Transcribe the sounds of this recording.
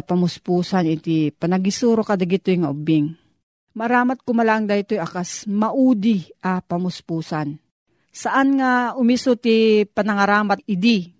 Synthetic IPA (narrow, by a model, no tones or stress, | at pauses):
pɐmʊspuːsanɪt̪ipɐnɐɡisuːɾokad̪ɐɡɪt̪ojŋaʔʊbɪŋ | maɐɾaːmat̪̚kʊmalaʔɐŋd̪ajt̪ojʔakasmɐʔuːd̪iʔapɐmʊspuːsan | saʔanŋaʊmisot̪ipɐnɐŋɐɾaːmat̪̚ɪd̪i